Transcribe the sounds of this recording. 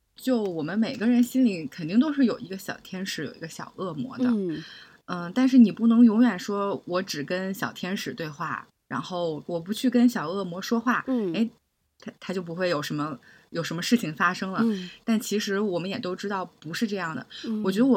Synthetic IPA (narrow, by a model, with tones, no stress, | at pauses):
t͡ɕjo˥˩ʊwɔ˨˩mə˦nme˨˩ɪɡə˦ɻə˧˥nɕi˥nli˨˩kʰə˨˩nt̪i˥˩ŋt̪o˥ʊʂ̬ɻ̩˥˩jo˨˩ʊi˧˥ɡə˧ɕjɑ̰˨˩ʊt̪ʰjɛ˥nʂɻ̩˧˥jo̰˨˩ʊi˧˥ɡə˧ɕjɑ̰˨˩ʊʔɤ˥˩mwɔ̰˧˥d̪ə̰˧ | ə˧t̪a˥˧nʂ̬ɻ̩˥˩ni˨˩pu˥˩nɤ˧˥ŋjʊ˧˥ŋɥɛ˨˩nʂwɔ˥wɔ˧˥ʈ͡ʂɻ̩˨˩kə˥nɕjɑ˨˩ʊt̪ʰjɛ˥nʂɻ̩˨˩t̪we˥˧ɪxwa̰˥˩ | ɻa̰˧˥nxo˥˩ʊwɔ˨˩pu˧˥t͡ɕʰy˥˩kə˥nɕjɑ˨˩ʊɤ˥˩mwɔ˧˥ʂwɔ˥xwa˥˩e˥˩ɪ | t̪ʰt̪ʰa˥t͡ɕjo˥˩ʊp̬u˧˥xwe˥˩ɪjo˨˩ʊʂə˧˥nmə˧ | jo˨˩ʊʂə˧˥mə˧ʂɻ̩˥˩t͡ɕʰi˨˩ŋfa˥ʂɤ˥ŋlə˨t̪a˥˩nt͡ɕʰi˧˥ʂɻ̩˧˥wɔ˨˩mə˦njɛ˨˩t̪o˥ʊʈ͡ʂɻ̩˥t̪ɑ˥˩ʊpu˧˥ʂɻ̩˥˧ʈ͡ʂɤ˥˧jɑ˥˩ŋd̪ə̰˩wɔ˨˩t͡ɕɥɛ˧˥d̪ə˥w